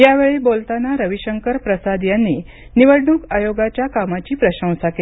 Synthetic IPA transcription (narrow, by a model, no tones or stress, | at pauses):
jaʋeɭiːbolt̪anaɾəʋiɕəŋkəɾpɾəsad̪janːiː | niʋəɽɳuːkajoɡat͡ɕjakamat͡ɕiːpɾəɕə̃w̃sakel